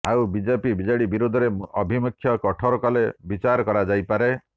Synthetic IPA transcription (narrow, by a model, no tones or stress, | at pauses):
awbid͡ʒepibid͡ʒaɽibiɾud̪ʱɔɾeɔbʱimukʰːjɔkɔʈʰɔɾɔkɔlebit͡ʃaɾɔkɔɾad͡ʒajpaɾe